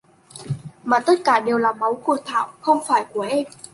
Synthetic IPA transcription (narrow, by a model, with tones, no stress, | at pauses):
maː˨˩t̪ə˦˥t̚kaː˧˩ɗe˨˩wlaː˨˩ma˨˦wku˧˩ət̪ʰa̰ː˧˨wxə˧wŋ͡mfaː˧˩jku˧˩əʔɛ˧m